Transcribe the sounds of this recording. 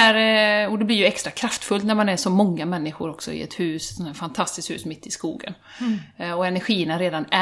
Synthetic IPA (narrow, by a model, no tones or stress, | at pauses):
æɾɔd̪ɛblɪɾjɵɛkst̪ɾakʰɾaft̪fɵlt̪næɾmanæʂɔmːɔŋːamɛnːɪɧʊɾɔksɔ̰ɪ̰ɛ̰t̪hʉ̟ːssɔnæːfant̪ʰast̪ɪst̪hʉ̰ːsmɪt̪ːɪskṵːɡə̰n | ɔɛnæɾɧiːənaɾeːd̪anæ